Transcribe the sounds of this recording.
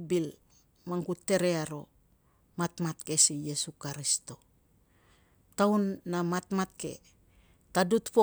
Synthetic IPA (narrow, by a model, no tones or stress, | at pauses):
bil | maŋɡutːe̞ɾe̞aɾo̞̰ | matmat̚ke̞sijesukaɾisto̞ | tawnːamatmat̚ke̞̰ | tadutpo